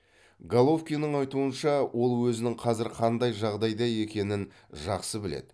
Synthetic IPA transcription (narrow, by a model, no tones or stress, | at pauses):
ɡalˠo̞fkʲijnəɴɑjt̪uənʃɑwʔo̞lˠwɵzɪnɪŋqʰɑzɪɾqʰɑnd̪ɑjʒɑʁd̪ɑjd̪ɑje̞kʲe̞nɪn | ʒɑqsəbɪlḛd̪ɪ